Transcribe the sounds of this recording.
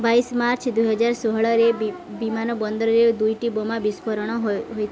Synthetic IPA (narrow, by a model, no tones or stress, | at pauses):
baismaɾt͡ʃʰd̪ujɦɔd͡ʒaɾsɔɦɔɭɔɾe | bimanɔbɔnd̪ɔɾɔɾed̪ujʈibomabispɔɾɔɽ̃ɔɦojt̪ʰ